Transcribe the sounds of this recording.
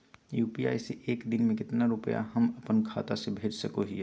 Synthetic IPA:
juːpia̰ːiseʔeːkd̪ɪnmẽkɪt̪naɾʊpəja̰ɦɐmɐpənkʰaːt̪asebʱeːd͡ʒsɐkoɦiɛ

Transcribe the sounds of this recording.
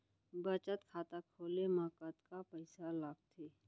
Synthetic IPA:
bət͡ʃət̪kʰaːt̪akʰoːlemãːkət̪kapɐɪsalaɡ̚t̪ʰeː

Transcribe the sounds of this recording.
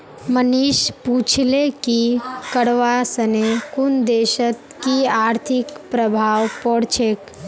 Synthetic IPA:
məniʃput͡ʃʰlekikəɽʋasənekund̪eʃət̪kiaɾt̪ʰikpɾəbʱaʋpɔɽt͡ʃʰek

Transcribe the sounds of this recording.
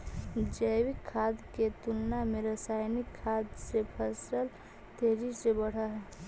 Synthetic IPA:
d͡ʒəjwikʰːad̪ket̪ulnameɾəsajnikʰːad̪sepʰəsəl | t̪eɾisebəɽ̤aɦɛ

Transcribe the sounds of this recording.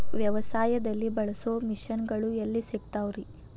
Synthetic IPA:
ʋjɐʋɐsaːjɐd̪ɐlːibɐɭɐsoːmiʃɐnɡɐɭuelːisiɡ̚t̪aːʋɾi

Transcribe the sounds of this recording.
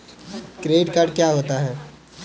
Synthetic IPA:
kɾeːɖkaɾɖkjaːɦoːt̪aɦɛː

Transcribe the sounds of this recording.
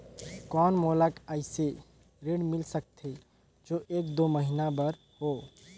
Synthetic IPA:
kɔnmoləkaɪse | ɾeɽmilsək̚t̪ʰe | d͡ʒoʔekd̪oməɦinabəɾ | ho

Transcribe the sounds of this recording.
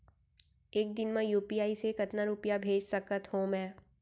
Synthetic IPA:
eːk̚d̪ɪnmẽjuːpijaːisekɐt̪naɾupijabʱeːd͡ʒsɐkət̪hõmɛ̃ː

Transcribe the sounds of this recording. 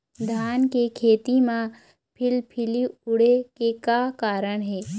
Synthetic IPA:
d̪ʱaːnkekʰeːt̪imã | pʰɪlpʰɪliʊɽekekakaːɾəɽ̃ɦɛː

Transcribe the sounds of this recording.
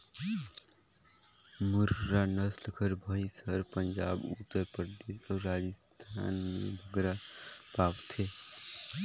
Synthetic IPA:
muɾːanəslkʰəɾbʱəjsəɾpənd͡ʒabut̪ːəɾpɾəd̪esəɾad͡ʒəst̪ʰa̰nmḛbʱəɡɾapapt̪ʰe

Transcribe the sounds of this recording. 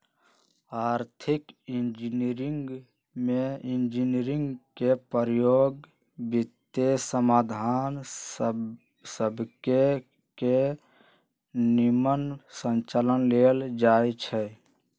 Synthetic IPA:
aɾt̪ʰikind͡ʒiniɾiŋɡ | meind͡ʒiniɾiŋɡkepəɾjoɡ | bit̪ːesəmad̪ʱan | səbke | ke | nimənsə̃nt͡ʃalənleld͡ʒajt͡ʃʰɛ

